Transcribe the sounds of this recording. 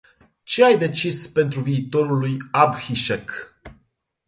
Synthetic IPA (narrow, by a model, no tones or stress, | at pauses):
t͡ʃeajd̪e̞t͡ʃispe̞nt̪̬ɾuviːt̪o̞ɾulujabhiʃek